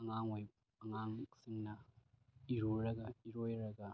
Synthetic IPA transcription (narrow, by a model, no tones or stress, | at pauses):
ɐŋaŋoj | ɐŋaŋsiŋnɐ | iɾuɾɐɡɐiɾojɾɐɡɐ